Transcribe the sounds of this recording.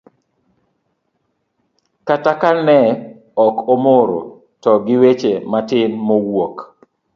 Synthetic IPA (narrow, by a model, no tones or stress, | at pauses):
katakanɛ | ɔkomoɾo̰ | tɔɡɪwet͡ʃematɪnmowok